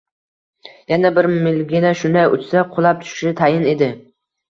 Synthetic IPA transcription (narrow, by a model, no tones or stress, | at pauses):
janabɪɾmɪlɡʲɪnaʃʊnd̪ajʊ̰t͡ʃsaqʰʊlˠap̚t̪ʰʊ̥ʃʃɪt̪ʰajɪned̪ɪ